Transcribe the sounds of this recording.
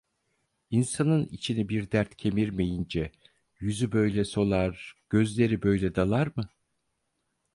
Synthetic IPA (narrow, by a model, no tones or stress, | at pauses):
insanɯnit͡ʃʰinibiɾd̪æɾt̪cʰe̞miɾme̞jind͡ʒɛ | jyzybø̞jlʲɛso̞lˠaɾɟ̥ø̞zlʲe̞ɾibø̞jlʲɛd̪alˠaɾmɯ